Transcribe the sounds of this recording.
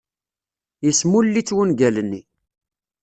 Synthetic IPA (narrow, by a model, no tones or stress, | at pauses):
jəsmulːit͡sːwənɡælənːi